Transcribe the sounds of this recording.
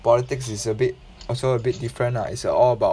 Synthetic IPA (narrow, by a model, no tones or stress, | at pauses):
pɔlitɪksisəbit̚ | ɔlsoəbit̚difɹə̃na̰ḭtsəɔləbaʊ